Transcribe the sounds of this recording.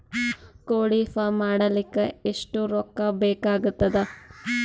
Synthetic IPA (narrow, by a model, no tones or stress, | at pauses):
koːɽifamaːɽɐlikːeeʂʈuɾokːɐbeːkaːɡut̪ːɐd̪ɐ